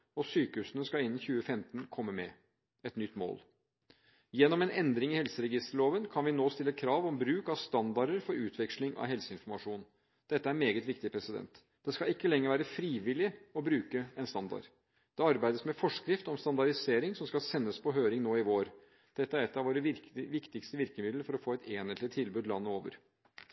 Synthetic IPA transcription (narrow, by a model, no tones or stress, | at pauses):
ɔsyːkəʉːsənəskɑɪnːn̩çʉːəfɛmt̪n̩kʰɔmːəmɛ | ɛt̪nʏt̪ːmo̰ːl | jɛnːɔmɛnɛnd̪ɾɪŋɪhɛlsəɾɛɡɪst̪əɭoːʋənkʰɑnʋɪnoːst̪ɪlːəkʰɾɑːʋɔmbɾʉːkɑʋst̪ɑnd̪ɑɖəɾfɔɾʉːt̪ʰʋɛkʂlɪŋʔɑ̰ʋɦɛlsəɪnfɔɾmɑʂuːn | d̪̥ɛt̪ːəæɾmeːɡət̪ʋɪkt̪ɪpʰɾɛsɪd̪ɛ̰nt̪ | d̪̥ɛskɑɪkːəlɛŋːəɾʋæːɾəfɾiːʋɪlɪɔbɾʉːkəɛnst̪ɑnd̪ɑ̰ɾ | d̪̥ɛɑɾbæɪd̪əsmɛfɔʂkɾɪft̪ɔmst̪ɑnd̪ɑɾɪseːɾɪŋsɔmskɑlsɛnːəspʰɔɦøːɾɪŋnoːɪʋoːɾ | d̪̥ɛt̪ːəæɾɛt̪ːɑʋoːɾəʋɪkt̪ɪkst̪əʋɪɾkəmɪd̪lfɔɾɔfoːɛt̪ʰeːnət̪lɪt̪ʰɪlbʉːd̪lɑ̰nːəoːʋə̰ɾ